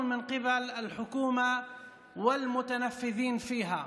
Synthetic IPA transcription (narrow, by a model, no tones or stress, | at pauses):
nmɪnqɪbalɪlħʊkuːma | wɪlmʊt̪anafːɪðiːnfiːɦa